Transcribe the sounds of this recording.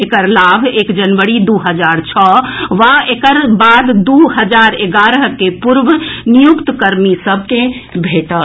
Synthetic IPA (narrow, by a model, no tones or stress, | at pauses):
ekəɾlabʱekd͡ʒənʋəɾid̪uɦəd͡ʒaɾt͡ʃʰɔʋaekəɾbad̪d̪uɦəd͡ʒaɾeɡaɾəɦkepuɾʋənijukt̪kəɾmisəb̚ʱkebʱeʈə